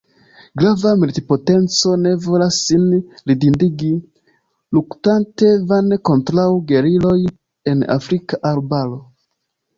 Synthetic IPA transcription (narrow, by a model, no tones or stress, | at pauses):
ɡɾavamultipotent͡so̞nevolasinlidindiɡi | luktante̞vanekontɾawɡeɾilo̞j | ena̰fɾikaʔaɾbalo